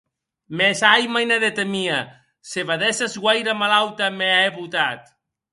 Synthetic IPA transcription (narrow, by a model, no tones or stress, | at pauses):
mesajmajnaðet̪emia | seβaðɛsazɣwajɾamalawt̪ameeβut̪at̪